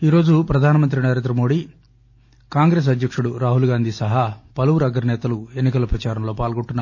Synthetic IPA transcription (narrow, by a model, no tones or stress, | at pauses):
iːɾo̞ːd͡ʒupɾɐd̪ʱaːnɐmɐnt̪ɾinɐɾe̞ːnd̪ɾɐmo̞ːɽi | kaːŋɡɾe̞ːs̬ɐd̪ʱjɐkʂuɽuɾaːɦulɡaːnd̪ʱisɐɦɐpɐluʋuɾɐɡɐɾnɛːt̪ɐlue̞nːikɐlɐpɾɐt͡ʃaːɾɐmlo̞ːpaːlɡoɳʈunːaː